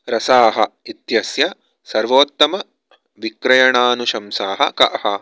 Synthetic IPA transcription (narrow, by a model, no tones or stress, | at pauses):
ɾɐsaːɦɐ̰it̪jɐsjɐ | sɐɾʋoːt̪ːɐmɐ | ʋikɾɐjɐɳaːnuʃɐmsaːɦɐ̰kɐ̰ʔhɐ